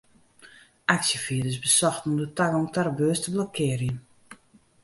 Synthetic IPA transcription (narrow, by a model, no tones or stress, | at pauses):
ʔaksjəfiədəsbəsɔxtnumdətaɡɔmtarbøːstəblokʰɪːrjən